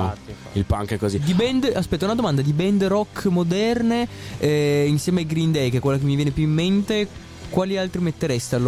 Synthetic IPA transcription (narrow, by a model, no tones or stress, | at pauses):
ḭlpa̰ŋkɛkːozid̪ibɛnd̪aspɛt̪ːaunad̪omand̪ad̪ibɛnd̪rɔkːmod̪ɛrneɛinsjɛːmeajɡɾind̪ɛjkekwelːakemːivjɛːnepjuimːent̪e | kwaːlialt̪ɾimet̪ːeɾɛst̪ealːo